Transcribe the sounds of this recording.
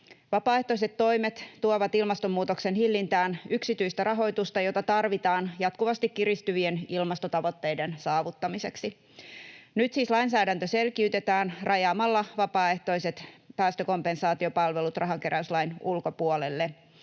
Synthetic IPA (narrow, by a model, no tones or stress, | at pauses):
ʋɑpɑːe̞ht̪o̞ise̞t̪ːo̞jmet̪t̪ːuoʋɑt̪ilmɑst̪omːuːt̪okse̞nhilːint̪æːnyksit̪yist̪ærɑɦo̞jt̪ust̪ɑjo̞t̪ɑt̪ɑrʋit̪ɑːnjɑt̪kuʋɑst̪ikkirist̪yʋienilmɑst̪ot̪ɑʋo̞t̪ːe̞jde̞nsɑːʋut̪ːɑmise̞ksi | nyt̪siːslɑinsæːdænt̪øse̞lkiyt̪e̞t̪æːnrʔɑjɑːmɑlːɑʋɑpɑːe̞ht̪o̞ise̞t̪pæːst̪øko̞mpe̞nsɑːt̪io̞pɑlʋe̞lut̪rʔɑɦɑŋke̞ɾʔæyslɑjnulko̞puolelːe